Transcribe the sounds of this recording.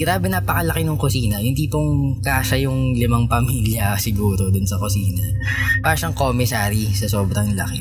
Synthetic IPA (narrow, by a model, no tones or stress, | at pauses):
ɡɾaːbɛnapɐkɐlɐkɪnʊŋkʊsiːnɐhɪnd̪ipoŋkaːʃɐjʊŋlɪmɐŋpɐmiːljɐsɪɡuːɾod̪ʊnsɐkʊsiːnɐ | paːʃɐŋkomɪsaːɾisɐsoːbɾɐŋlɐ̰kɪ